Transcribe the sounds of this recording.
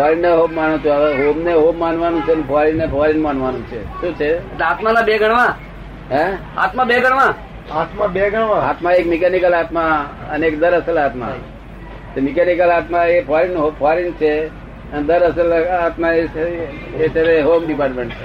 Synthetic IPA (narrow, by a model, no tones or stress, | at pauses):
pʰaɾineɦomːanũt͡ʃʰuɦomneɦomːanʋanũt͡ʃʰenepʰaɾinepʰaɾinmanʋanũt͡ʃʰḛʃũːt͡ʃʰeeʈleat̪manabeɡʱəɽʋã | ɦẽ | a̰t̪mãbeɡʱəɽ̃ʋã | at̪mãbeɡʱəɽʋãa̰ːt̪maekmikenikəlaːt̪maəneekd̪əɾəsəlaːt̪ma̰ | temikenikəlat̪mãepʰaɾinɦopʰaɾint͡ʃʰe | ənd̪əɾəsəlaːt̪maee | et͡ʃʰet̪eɦomɖipaːɾʈmẽɳʈt͡ʃʰe